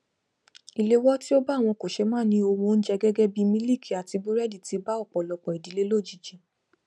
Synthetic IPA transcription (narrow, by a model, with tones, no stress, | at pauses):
i˨le˦wɔ˦ti˦o˦ba˦˨w̃ɔ̃˧ko˨ʃe˧mãː˦˨nĩ˧˦o˧wõ˧n̩˦d͡ʒɛ˦ɡɛ˦ɡɛ˦bi˧mĩ˦li˦˨kʰi˨a˨ti˧ɡ͡bu˦ɾɛ˦di˨ti˨˧ba˦ɔ˦˨k͡pɔ˨lɔ˧˨k͡pɔ˨i˨di˨˦le˦lo˦˨d͡ʒi˨d͡ʒĩ˨˦